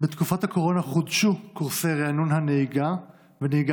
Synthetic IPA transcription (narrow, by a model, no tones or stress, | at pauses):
bet̪kufathako̞ʁo̞naχodʃukuʁse̞jʁeanunɦaneiɡa | veneiɡa